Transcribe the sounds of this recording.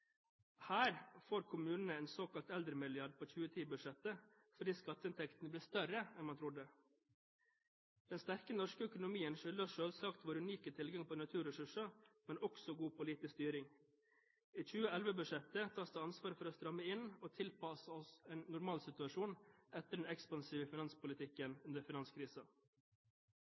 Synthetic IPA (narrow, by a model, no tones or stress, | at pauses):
hæːɾfoːɾkʰʊmʉːnn̩əɛːnsoːkɑlt̪ɛld̪ɾəmɪlɪɑɖpʰoːçʉːət̪ʰiːbʉdʂɛt̪ːə | fɔɖiːskɑt̪ːəɪnt̪ʰɛkt̪n̩əbliːst̪œɾəɛnmɑnt̪ʰɾʊd̪ə | d̪̥ɛnst̪æɾkənɔʂkəœkʊnʊmiːənʃʏld̪ɑʃøːlsɑkt̪ʋoːɾəʉniːkət̪ʰɪlɡɑŋpʰoːnɑt̪ʰʉːɾəsʉʂɑmɛnʔɔksɔɡuːpʰʊliːt̪ɪst̪yːɾɪŋ | iːt͡ʃʉːəɛlʋəbʉʂɛt̪ət̪ʰɑːsd̪əɑnsʋɑːɾəfɔɾoːst̪ɾɑmːəɪnoːt̪ʰɪlpɑsɔseːnːʊɾmɑːlsɪt̪ʉɑʂuːnɛt̪ːəɖɛnɛkspɑnsiːʋəfɪnɑnspʊlɪt̪ʰɪkːənʉnd̪əɾfɪnɑnskʰɾiːsɑ